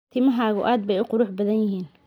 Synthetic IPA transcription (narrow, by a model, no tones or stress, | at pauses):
t̪ʰɪmɐɦaːɣʊʔaːd̪̚bɛjʊqʊɾʊħbɐðɐnjɪɦiːn